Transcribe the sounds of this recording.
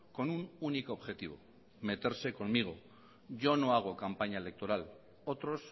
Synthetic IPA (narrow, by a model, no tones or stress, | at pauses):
ko̞nununikoːβxe̞t̪iβ̞o̞̰ | me̞t̪e̞ɾse̞ko̞nmiɣ̞o | ʝo̞no̞aɣ̞o̞kampaɲae̞le̞k̚t̪o̞ɾal | o̞t̪ɾo̞s